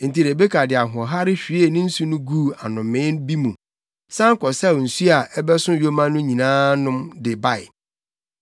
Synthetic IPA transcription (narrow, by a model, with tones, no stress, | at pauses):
n̩˨ti˨ɾe˨be˦kʰa˨dɪ˨a˨ɦʊ˨ɔ̃˨ɦa˦ɾɪ˦ɕᶣi˦e˨nɪ̃˦n̩˦su˦nʊ̃˦ɡu˦˨a˨nʊ̃˨mɪ̃˦nbi˦mũ˨ | sã˦ŋ̩˦kɔ˨sɛ˦˨n̩˨su˦a˨ʔɛ˦bɛ˦sʊ̃˦˨jo˦mã˦nʊ̃˦ɲĩ˨nãː˦nʊ̃˦mdɪ˨ba˦˨ɪ˨